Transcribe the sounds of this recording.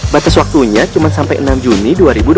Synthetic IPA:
bat̪aswak̚t̪uɲat͡ʃumansampajʔənamd͡ʒuniduaɾibud

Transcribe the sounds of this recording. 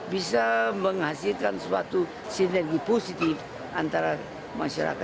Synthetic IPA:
bisaməŋɦasilkanswa̰t̪u | sinərɡiposit̪if | ant̪aɾa | maʃaɾa̰ka

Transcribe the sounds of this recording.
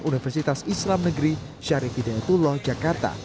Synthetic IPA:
ʔunifɛrsit̪asislamnəɡəɾi | ʃaɾifid̪ajat̪ulɔhd͡ʒakart̪a̰

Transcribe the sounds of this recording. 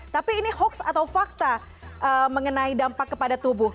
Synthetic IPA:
t̪apiːnihɔksa̰t̪awfak̚t̪a | ʔəməŋənaidampakːəpadat̪ubʊh

